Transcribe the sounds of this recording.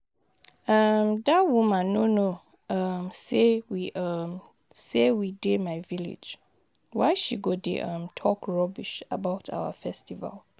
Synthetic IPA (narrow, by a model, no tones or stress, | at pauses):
ʌmdawumãnono | ʌmsewiʔʌm | sewidemaɪvilḛd͡ʒ | waɪʃiɡodḛʔʌ̃mtʰɔkɹɔbiʃabaʊtʰa̰wə̰fɛstiva̰l